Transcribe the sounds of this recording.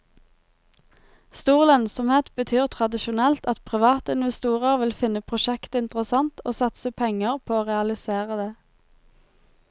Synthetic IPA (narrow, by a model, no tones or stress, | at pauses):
st̪uːʁlɑnsɔmheːt̪bət̪ʰyːʁt̪ʰʁɑd̪ɪʃʊnɛlt̪ɑt̪pʰʁɪʋɑːt̪əɪnʋɛst̪uːʁəʁʋɪlfɪnəpʰʁʊʃɛkt̪ɪnt̪əʁəsɑnt̪ʰoːsɑt̪səpʰɛŋəʁpʰoːoːʁɛɑlɪseːʁəd̪eː